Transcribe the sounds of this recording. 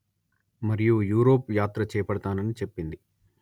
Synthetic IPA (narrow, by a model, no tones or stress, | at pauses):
mɐɾijujuːɾo̞ːpjaːt̪ɾɐt͡ʃɛːɐpɐɽɐt̪aːnɐnit͡ʃe̞pːind̪i